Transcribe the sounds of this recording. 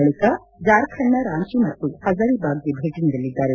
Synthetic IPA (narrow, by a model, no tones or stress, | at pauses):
ɐɭikɐ | d͡ʒaːɾkʰɐɳːɐɾaːnʃimɐt̪ːuhɐzɐɾibaːɡ̚d̪ebʱeːʈind̪ɐlːid̪ːaːɾe